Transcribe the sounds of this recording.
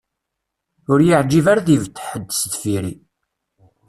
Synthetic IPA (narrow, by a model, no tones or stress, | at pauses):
ʊɾjəʕd͡ʒivaɾaðivt̪ːħəd̪ːstfiɾi